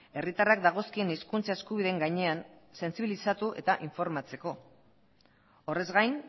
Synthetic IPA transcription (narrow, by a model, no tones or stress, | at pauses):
e̞rit̪arakd̪aɣ̞o̞skie̞niskunt͡sae̞skuβiðeːŋɡajɲe̞anse̞nsiβilisat̪uʔe̞̰t̪aʔiɱfo̞ɾmat͡se̞ko̞ | ore̞zɣajn